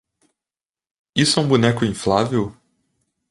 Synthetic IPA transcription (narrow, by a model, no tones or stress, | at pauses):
isɛũbunɛkʊĩflavew